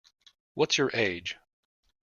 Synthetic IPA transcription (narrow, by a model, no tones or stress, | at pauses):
wʌtsjə˞ʔeɪ̥d͡ʒ̥